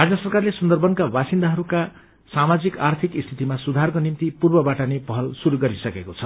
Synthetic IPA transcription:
rad͡zʌsʌrkarlesʌnd̪ʌrbʌnkabasind̪aɦʌɾuka | samad͡zikart̪ʰikist̪ʰit̪imasud̪ʱarkonimt̪ipurbʌbaʈʌnepʌɦʌlsuɾuɡʌɾisʌkekot͡sʰʌ

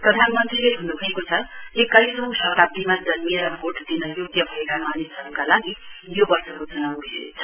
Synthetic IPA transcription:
prʌd̪ʱanmʌnt̪rileɦunubʱʌekot͡sʰʌekʌɾisʌ̃sʌt̪ab̚d̪imad͡zʌnmiɾʌbʱoʈd̪inʌjoɡjʌbʱʌekamanisʌɾukalaɡijobʌrsʌkod͡zʌnausḛt͡sʰʌ

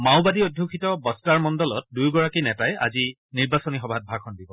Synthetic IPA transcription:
maʊbadiodʱjukʰitɔbɔstaɹmɔndɔlɔt̚dujɡɔɹakinɛtajʔa̰zi | niɹbasɔnixɔbʱat̚bʱakʰɔndibɔ

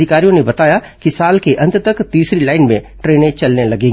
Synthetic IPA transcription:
ɪkaːɾijõnebɐt̪aːja | kisaːlkeʔɐ̃nt̪t̪ɐkt̪iːsɾilaːɪnmẽʈɾeːnẽt͡ʃɐlnelɐɡẽː

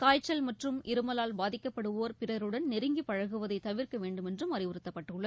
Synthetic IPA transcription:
kaːjt͡ʃːɐlmɐʈrɯmʔɪɾɯmɐlaːlbaːðɪkːɐpːɐɽɯʋoːɾpɪrɐɾɯɽɐnnɪɾɯŋɡipːɐɻɐɣɯʋɐðɐɪt̪ːɐʋɪrkɐʋeːɳɖɯmɛndrɯmɐɾɪʋɯɾɯt̪ːɐpːɐʈːɯɭːɐð

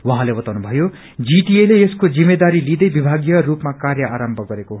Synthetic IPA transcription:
wʌɦãlebʌt̪awnubʱʌjo | d͡ziʈieleeskod͡zimːed̪aɾilid̪ʌjbibʱaɡjʌrupmakarjʌʔaɾʌmbʱʌɡʌɾeko

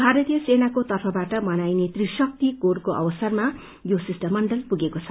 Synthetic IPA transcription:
bʱaɾʌt̪ijʌsenakot̪ʌrpʰʌbaʈʌmʌnajnet̪risʌk̚t̪ikorkoʔʌ̰bʌsʌrma | josisʈʌmːʌɳɖʌlpuɡekot͡sʰʌ̥

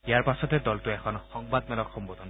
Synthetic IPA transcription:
ijaɹpasɔtɛdɔltʊɛkʰɔnxɔŋbad̪mɛlɔkxɔmbod̪ʱɔn

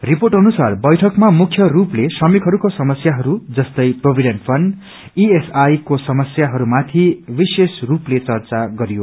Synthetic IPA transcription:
riporʈʌnusarbʌjʈʰʌkmamukʰjʌɾuplesʌmikɦʌɾukosʌmʌsjaɦʌɾud͡zʌst̪ʌjprobʱiɖenʈpʰʌɳɖ | iesajkosʌmʌsjaɦʌɾumat̪ʰibisesruplet͡sʌrt͡saɡʌɾijo

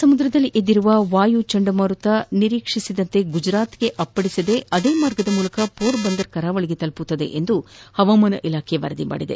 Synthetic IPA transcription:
sɐmud̪ɾɐd̪ɐlːiʔed̪ːiɾuʋɐʋaːjut͡ʃɐɳɖɐmɐɾut̪ɐniɾiːkʂisid̪ɐnt̪e̞ɡud͡ʒɾaːt̪ɡe̞ʔɐpːɐɽisid̪e̞ɐd̪eːmaːɾɡɐd̪ɐmuːlɐkɐpoːɾbɐnd̪ɐɾkɐɾaːʋɐɭiɡet̪ɐlput̪ːɐd̪e̞̰ʔend̪uhɐʋɐmɐnɐ̰ʔilaːkʰeʋɐ̰ɾɐd̪ima̰ːɽid̪e

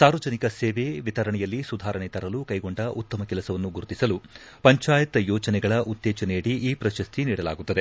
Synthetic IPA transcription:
saːɾʋɐd͡ʒɐnikɐseːʋeʋit̪ɐɾɐɳɛjɐlːisud̪ʱaːɾɐɳɛt̪ɐɾɐlukɐjɡo̞ɳɖɐʔut̪ːɐmɐkɛlɐsɐʋɐnːuɡuɾt̪isɐlu | pɐɲt͡ʃaːjɐt̪ɐjɔːt͡ʃɐnɛɡɐɭɐʔut̪ːɛːt͡ʃɐnejɽiiːpɾɐʃɐst̪ʰiniːɽɐla̰ːɡut̪ːɐd̪e̞

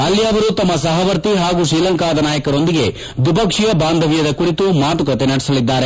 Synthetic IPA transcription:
ɐlːiɐʋɐɾut̪ɐmːɐsɐɦɐʋɐɾt̪iɦaːɡuːʃɾiːlɐŋkaːd̪ɐnaːjɐkɐɾo̞nd̪iɡe̞ | d̪ipɐkʂijɐbaːnd̪ʱɐʋijɐd̪ɐkuɽit̪umaːt̪ukɐt̪enɐɽisɐlid̪ːaːɾe̞

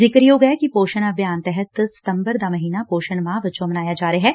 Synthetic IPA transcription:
zɪkɾjoːɡɛkipoːʃənɐbjaːnt̪ɛɦɛt̪sɐ̥t̪ə̃mbəɾd̪amɐɦiːnapoːʃənmãʋɐt͡ʃomɐnaːjad͡ʒaːɾəɦɛː

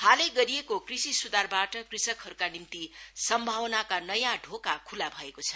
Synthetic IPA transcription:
haleɡʌɾijekokrisisud̪arbaʈʌkrisʌkɦʌɾukanimt̪isʌmbʱawnakanʌjãɖʱokakʰulabʱʌekot͡sʰʌ

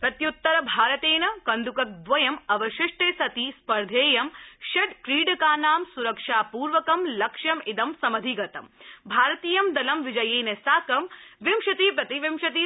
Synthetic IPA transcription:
pɾɐt̪jut̪ːɐɾɐbʱaːɾɐt̪eːnɐkɐnd̪ukɐk̚d̪ʋɐjɐmɐʋɐʃɪʂʈeːsɐt̪iːspɐɾd̪ʱeːjɐmʃɐɖkɾiːɖɐkaːnaːmsuɾɐkʂaːpuːɾʋɐkɐmlɐkʂɐmid̪ɐmsɐmɐd̪ʱiɡɐt̪ɐmbʱaːɾɐt̪iːjɐmd̪ɐlɐmʋid͡ʒɐjeːnɐsaːkɐmʋimʃɐt̪iːpɾɐt̪iʋimʃɐt̪̬i

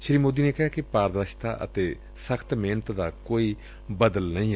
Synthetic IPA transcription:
ʃɾiːmoːd̪iːneːkɪɦaːkɪpaːɾd̪ɾəʃt̪a̰ːʔə̰t̪eː | səkʰt̪meːnət̪d̪aːkoːiː | bəd̪əlnəĩː

